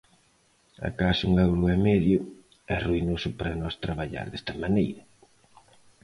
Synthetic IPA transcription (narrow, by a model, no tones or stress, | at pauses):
a̰kasuŋɛwɾʊɛmɛðjʊ | ɛruinosʊpaɾɐnɔst̪ɾaβaʎa̰ɾðɛst̪ɐmanejɾɐ